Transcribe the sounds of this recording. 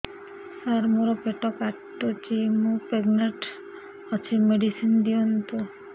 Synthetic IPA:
saɾmuɾɔpeʈɔkaʈːot͡ʃimũpeɡneʈ | ɔt͡ʃʰimeɖisind̪iɔnt̪u

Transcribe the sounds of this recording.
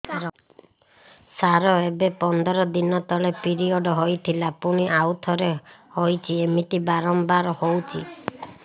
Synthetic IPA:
saɾɔebepɔnd̪ɔɾɔd̪inɔt̪ɔlepiɾiɔɖɔɦojt̪ʰilapuɽ̃iʔawt̪ʰɔɾehojt͡ʃʰiemit̪ibaɾɔmbaɾɔhowt͡ʃʰi

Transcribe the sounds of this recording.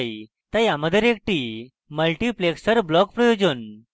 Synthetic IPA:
j | t̪ajaməd̪ʱəɾek̚ʈi | məlʈipleksəɾblɔkpɾəjod͡ʑən

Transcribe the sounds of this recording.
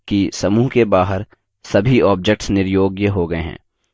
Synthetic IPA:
kisɐmuːɦkebaːɦəɾ | sɐbʱiɔːb̚d͡ʒek̚ʈsnɪɾjoːɡjəɦoɡɐeɦɛ̰̃ː

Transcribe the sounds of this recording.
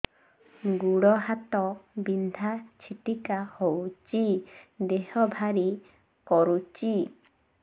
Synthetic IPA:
ɡuɽɔɦat̪ɔbind̪ʱat͡ʃʰit̪ikahowt͡ʃid̪ehɔbʱaɾi | kɔɾut͡ʃi

